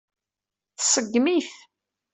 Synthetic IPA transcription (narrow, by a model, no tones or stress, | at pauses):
θəsˤəɡːmiθ